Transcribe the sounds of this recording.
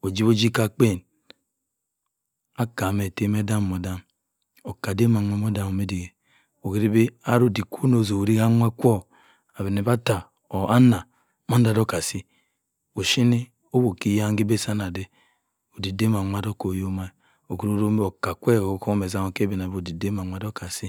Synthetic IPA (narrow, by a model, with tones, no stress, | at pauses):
o˨d͡ʒi˦βo˦d͡ʒi˦ka˦k͡pe˦˨n | a˦ka˨me˨te˦me˦da˦m˨mo˨da˦m | o˨ka˨de˦ma˨ŋʷe˦m˦o˦da˨mo˨me˦di˨e˨ | o˨ki˦ɾi˦be˦a˦ɾo˨di˨ko˦no˨zo˨ɾi˦ɡa˦ŋʷa˦kʷo˦ | a˨βe˨ne˨ba˦ta˨ | o˨a˦na˨ | mo˦n˦da˨do˦ka˨si˦ | o˨ʃi˦ni˦ | o˦bo˨ki˦ja˦ŋ˦ɡi˦be˦sa˦na˨de˦ | o˨di˨de˦m˨a˨ŋʷa˦do˦ko˨jo˦ma˦i˨ | o˨ku˨ɾo˦ɾo˦m˦o˨ka˨kʷe˦˨o˦ko˦me˨za˦mo˨ke˦be˨n˨a˨bo˨di˨de˦ma˨ŋʷa˨do˦ka˨si˦